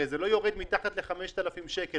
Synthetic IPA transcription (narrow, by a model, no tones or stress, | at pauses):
ezelo̞jo̞ʁed̪mit̪aχat̪leχame̞ʃt̪alafimʃeke